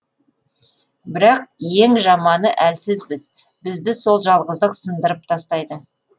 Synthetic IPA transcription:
bɪɾɑqje̞ŋʒɑmɑnəʔælsɪzbɪz̥ | bɪzd̪ɪso̞lˠʒɑlˠʁəzəqsənd̪əɾəp̚t̪ʰɑst̪ɑjd̪ə

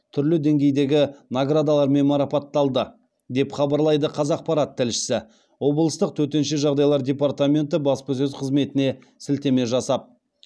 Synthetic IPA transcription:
t̪ʰʏɾlɪd̪e̞ŋɡʲe̞jd̪e̞ɡʲɪnaɡɾad̪alˠɑɾme̞nmɑɾɑpɑt̪ːɑlˠd̪ə | d̪e̞pχɑbɑɾlˠɑjd̪əqʰɑzɑq̚pɑɾat̪ʰːɪlʃɪ̥sɪ | wo̞blˠəst̪əq̚t̪ʰɵt̪e̞nʃeʒɑʁd̪ɑjlˠɑɾdʲe̞part̪amʲe̞nt̪ɪbɑspəs̬ɵzqʰəzme̞t̪ɪne̞ | sɪlt̪e̞me̞ʒɑsɑp̚

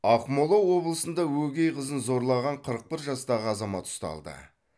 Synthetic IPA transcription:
ɑqmo̞lˠowːo̞blˠəsənd̪ɑwɵɡʲejqəzənzo̞ɾlˠɑʁɑɴqʰəɾəq̚pɪɾʒɑst̪ɑʁəɑzɑmɑt̪ʊ̥st̪ɑ̰lˠd̪ə̰

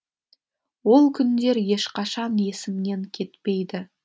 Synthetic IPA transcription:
wo̞lˠkʲʰʏnd̪e̞ɾje̞ʃqɑʃɑnje̞sɪmne̞ŋkʲʰe̞t̪pe̞jd̪ɪ

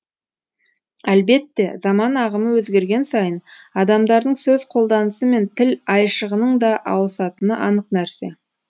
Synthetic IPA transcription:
ælbe̞t̪ːe̞zɑmɑnɑʁəməwɵzɡʲe̞ɾɡʲe̞nsɑjənɑd̪ɑmd̪ɑɾd̪əɴsɵzqʰo̞lˠd̪ɑnəsəme̞nt̪ʰɪlɑjʃəʁənəɴd̪ɑʔɑ̰wəsɑt̪ənəʔɑnəqnæɾse̞

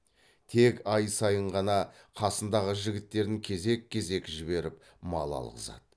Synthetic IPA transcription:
t̪ʰe̞kɑjsɑjəɴʁɑnɑ | qʰɑsənd̪ɑʁəʒɪɡʲɪt̪ːe̞ɾd̪ɪŋkʲʰe̞ze̞kʲʰːe̞ze̞kʲɪʒɪβe̞ɾɪp | mɑ̰lˠɑ̰lˠʁə̰zɑ̰d̪ə

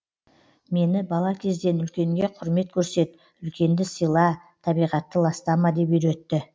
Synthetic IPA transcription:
me̞nɪbɑlˠɑkʲʰe̞zd̪e̞nʏlkʲe̞ŋɡʲe̞qʰʊɾme̞t̪̚kʲʰɵɾse̞t̪ | ʏlkʲe̞nd̪ɪsijlˠɑ | t̪ʰɑbijʁɑt̪ːəlˠɑst̪ɑmɑd̪e̞pʏɾe̞t̪ːɪ

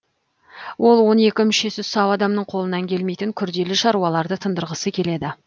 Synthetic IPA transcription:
wʔo̞lˠwo̞ne̞kʲɪmʏʃe̞sɪsɑwɑd̪ɑmnəɴqʰo̞lˠənɑŋkʲʰe̞lmejt̪ɪŋkʲʰʏɾd̪e̞lɪʃɑɾuɑlˠɑɾd̪ət̪ʰənd̪əɾʁəsəkʲʰe̞le̞d̪ɪ

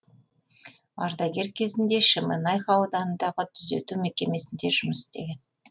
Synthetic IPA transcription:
ɑ̰ɾd̪ɑɡʲe̞ɾkʲʰe̞zɪnd̪e̞ʃɪmə̰nɑjqɑwd̪ɑnənd̪ɑʁət̪ʰʏze̞̰t̪umekʲe̞me̞sɪnd̪e̞ʒʊməsɪ̥st̪e̞̰ɡʲe̞n

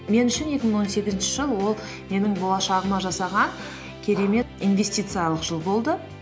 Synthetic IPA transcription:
me̞nʏʃɪnje̞kʲɪmɪəɴwo̞nse̞ɡʲɪzɪnʃɪʒəlˠwo̞lˠ | me̞nɪŋbolˠɑʃɑʁəmɑʒɑsɑʁɑn | kʲʰe̞ɾe̞me̞t̪ijnve̞sʲt̪ʲijt̪sɨjalˠəqʒ̥əlˠbo̞lˠd̪ə

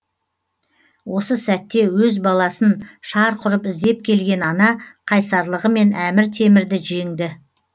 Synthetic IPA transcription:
wo̞səsæt̪ːe̞wɵzbɑlˠɑsənʃɑɾqʰʊɾəpɪzd̪e̞p̚kʲʰe̞lɡʲe̞nɑnɑqʰɑjsɑɾlˠəʁəme̞næmɪɾt̪ʰe̞mɪɾd̪ɪʒe̞ŋd̪ɪ

